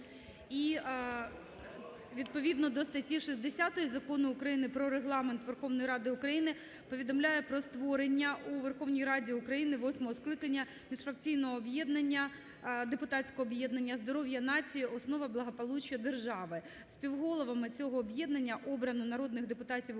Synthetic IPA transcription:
i | ʋʲid̪̚pɔʋʲid̪nɔd̪ɔst̪ɐtʲiʃizʲd̪esʲɑt̪ɔjizɐkɔnʊːkɾɐjinɪpɾɔɾeɦlˠɑment̪ʋerxɔʋnɔjiɾɑd̪ɪʊkɾɐjinɪ | pɔʋʲid̪ɔmlʲajɛpɾɔst̪ʋɔɾenʲːɐʔuʋerxɔʋnʲijɾɑdʲiʊkɾɐjinɪʋɔsʲmɔɦɔsklˠɪkɐnʲːɐ | mʲiʂfɾɐk̚t͡sʲijnɔɦɔːbjɛd̪nɐnʲːɐ | d̪epʊt̪ɑtt͡sʲkɔɦɔbjɛd̪nɐnʲːɐzd̪ɔɾɔwjɐnɑt͡sʲijiɔsnɔʋɐblˠɐɦɔpɔlˠut͡ʃjɐd̪erʒɑʋɪ | spʲiwɦɔlˠɔʋɐmɪt͡sʲɔɦɔːbjɛd̪nɐnʲːɐʔɔbɾɐnʊnɐɾɔd̪nɪɣd̪epʊt̪ɑtʲiw

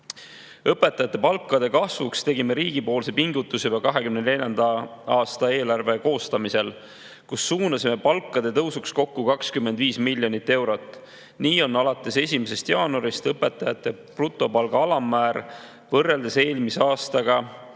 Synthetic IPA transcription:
ɤpːˑe̞t̪ːˑɑjɑt̪ːˑe̞pɑlkːˑɑd̪̥e̞kɑsvukst̪e̞ɡime̞ɾiːɡ̥ipo̞ːlse̞piŋɡut̪ːˑusebɑkɑɦe̞kymnene̞lʲɑnd̪̥ɑɑːst̪ɑe̞ːlɑrve̞ko̞ːst̪ɑmise̞l | kusːuːnɑsime̞pɑlkːˑɑd̪̥e̞t̪ɤwsuksko̞kːukɑkskymːe̞nd̪viːsmilʲjo̞nit̪ːe̞wɾo̞t̪ːˑ | niːo̞nɑlɑt̪ːˑe̞se̞sʲimese̞st̪jɑːnoɾist̪ɤpːe̞t̪ːˑɑjɑt̪ːˑe̞prut̪ˑːo̞pɑlɡ̥ɑɑlɑmːæːɾ | vɤrːeld̪ese̞ːlmiseɑːst̪ɑɡ̥ɑ

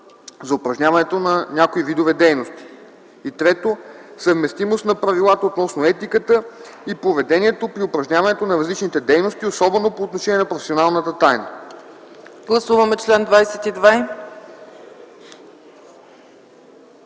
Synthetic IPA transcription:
zɐopɾɐʒnʲavɐnɛt̪onɐnʲakoivid̪ovɛd̪ɛjnost̪i̥ | it̪ɾɛt̪osəvmɛst̪imost̪nɐpɾɐvilˠat̪əot̪nɔsnoɛt̪ikət̪ə | ipovɛd̪ɛnʲiɛt̪opɾiopɾɐʒnʲavɐnɛt̪onɐɾɐzlit͡ʃnit̪ɛd̪ɛjnost̪iosɔbɛnopoːt̪noʃɛnʲiɛnɐpɾofɛ̥sionalˠnət̪ət̪ajnə | ɡlˠɐsuvɐmɛt͡ʃlɛnd̪vajsɛt̪id̪va

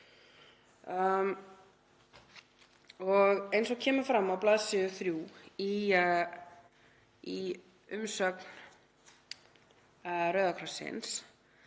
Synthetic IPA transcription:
ɔɣejnsɔɣcʰɛːmʏɾfɾamːawplaːðsɪʏθɾjuːi | i | ʏmsœkn | rœːðakʰɾasɪ̰ns

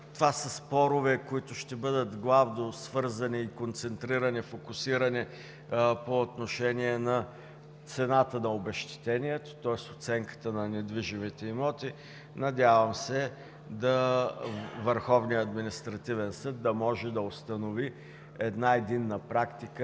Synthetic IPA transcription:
t̪ovasəspɔɾʊvɛkoit̪ʊʃt̪ɛbɤd̪ət̪ɡlˠavnosvɤɾzəniːkont̪sɛnt̪ɾiɾənifokʊsiɾəni | poːt̪noʃɛniɛnɐ | t̪sɛnat̪ənɐobɛʃt̪ɛ̥t̪ɛniɛt̪o̥t̪ɔɛst̪ot̪sɛŋkə̥t̪ənɐnɛd̪viʒimit̪ɛimɔt̪i | nɐd̪ʲjavəmsɛ | d̪ɐ | vəɾxɔvnijəɐd̪minist̪ɾɐt̪ivɛnsɤd̪ːɐmɔʒɛd̪ɐost̪ɐnovi | ɛd̪naɛd̪inːəpɾakt̪ikə

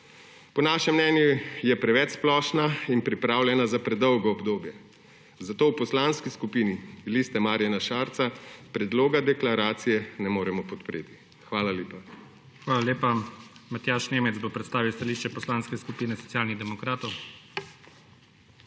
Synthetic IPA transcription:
pɔnaːʃɛmːnɛːnjujɛpɾɛʋɛt͡ʃsplɔːʃnainpɾipɾaːwlʲjɛnazapɾɛd̪ɔwɡɔɔbd̪oːbjɛ | zat̪oːwpɔslaːnskiskupiːnilist̪ɛmaːɾjanaʃaːɾt̪sapɾɛd̪loːɡad̪ɛklaɾaːt̪sijɛnɛmoːɾɛmɔpɔt̪pɾeːt̪i̥ | xʋaːlaleːpa | xʋaːlalʲjeːpamat̪jaːʃneːmɛt̪zbopɾɛt̪st̪aːʋiwst̪aliːʃt͡ʃɛpɔslanskɛskupiːnɛsɔ̥tsijaːlniɣd̪ɛmɔkɾaːt̪ɔw

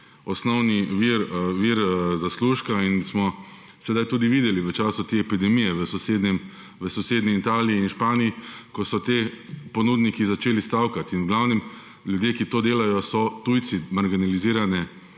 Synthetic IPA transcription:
ɔsnɔwniʋiɾʋiɾzasluːʃkainsmɔ | sɛd̪ajt̪uːd̪iʋiːd̪ɛliʋət͡ʃaːsut̪eːɛpid̪ɛmijɛʋəsɔseːd̪nɛm | ʋəsɔseːd̪niːt̪aːliiːnʃpaːnijikɔsɔt̪eːpɔnuːd̪nikizat͡ʃeːlist̪awkat̪inwɡlawnɛm | ljud̪jeːkit̪oːd̪eːlajɔsɔt̪ujt̪simaɾɡinaliziːɾanɛ

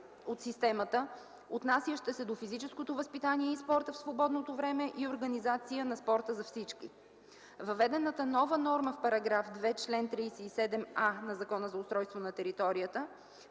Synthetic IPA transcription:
ot̪sist̪ɛmət̪ə | ot̪nasijəʃt̪əsɛd̪ofizit͡ʃɛskot̪ovəspit̪aniɛispɔɾt̪əfsvobɔd̪not̪ovɾɛmɛʔioɾɡɐnizat̪sijənɐspɔɾt̪əzɐfsit͡ʃkḭ | vɐvɛd̪ɛnət̪ənɔvənɔɾməfpɐɾɐɡɾafd̪vɛt͡ʃlɛnt̪ɾijsɛisɛd̪ɛmanɐzɐkɔnəzɐʊst̪ɾɔjst̪vonɐt̪ɛɾit̪ɔɾijət̪ə

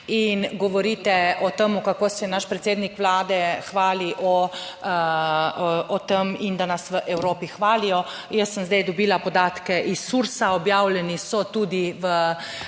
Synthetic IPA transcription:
inɡɔʋɔɾiːt̪ɛɔt̪emukakoːsɛnaʃpɾɛt̪seːd̪nikʋlaːd̪ɛxʋaːliʔɔ | ɔt̪emind̪anasʋəʔɛwɾoːpixʋaːlijɔ | jəsːəmzd̪ɛjd̪ɔbiːlapɔd̪aːt̪kɛʔisːuɾsaɔbjaːwlɛnisɔt̪uːd̪iʋə

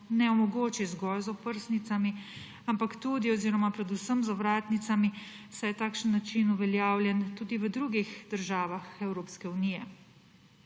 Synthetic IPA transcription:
nɛɔmɔɡoːt͡ʃizɡɔlzɔpəɾsnit̪sami | ampakt̪ud̪iɔziːɾɔmapɾɛd̪usəmzɔʋɾaːt̪nit̪sami | sɛjɛt̪aːkʃənːat͡ʃinuʋɛljaːwlʲjɛnt̪uːd̪iʋəd̪ɾuɡixd̪əɾʒaːʋaxɛwɾoːpskɛuniːjɛ

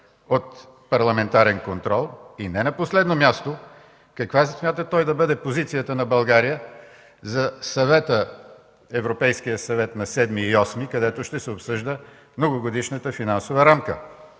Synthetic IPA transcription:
ot̪ | pɐɾlˠɐmɛnt̪aɾɛnkont̪ɾɔlˠinɛnɐposlɛd̪nomʲjast̪o | kɐkvassmʲjat̪ət̪ɔjd̪ɐbɤd̪ɛpozit̪sijət̪ənɐbɐlˠɡaɾijə | zɐsɐvɛt̪ə | ɛvɾopɛjskijəsɐvɛt̪nɐsɛd̪miːɔsmikɐd̪ɛt̪oʃt̪ɛsɛopsɤʒd̪ə | mnoɡoɡod̪iʃnət̪əfinansovɐɾamkə̰

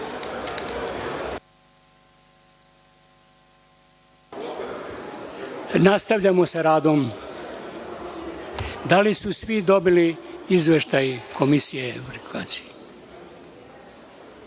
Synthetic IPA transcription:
nast̪aʋʎamosaɾaːd̪o̞m | d̪alisusʋid̪o̞biliizʋeʃt̪ajkʰo̞misijepɾikasi̥

